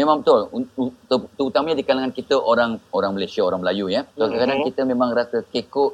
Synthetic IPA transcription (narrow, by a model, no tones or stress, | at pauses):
mẽmãŋt̪ʊlut̪t̪əut̪amaɲadikalaŋankit̪əʔoɾaŋoɾaŋməlesiaoɾaŋməlajujat̪okəkanankit̪əmẽmãŋrasəkekʊʔ